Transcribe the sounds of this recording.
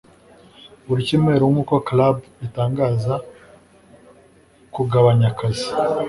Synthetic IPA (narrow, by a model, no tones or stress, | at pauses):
uɾiciːmŋe̞ːɾowumukoklabitaːŋɡaːza | kuɡaβaɲakazi̥